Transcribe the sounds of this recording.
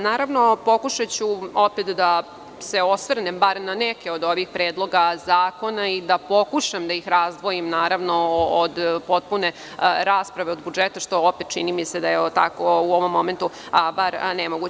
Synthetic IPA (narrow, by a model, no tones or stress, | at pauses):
naːɾaʋno̞po̞kuʃat͡ɕuo̞pet̪d̪a | se̞o̞sʋr̩nembaɾnanɛke̞od̪o̞ʋixpɾeːd̪lˠo̞ɡazaːko̞naid̪apo̞kuʃamd̪aixɾazd̪ʋo̞jimnaːɾaʋno̞od̪pot̪̚pune̞ | ɾaːspɾaʋeo̞d̪bud͡ʒet̪aʃt̪o̞opet̪̚t͡ʃḭnimise̞d̪ajeot̪a̰kouo̞ʋo̞mːo̞ment̪u | baɾnemoɡu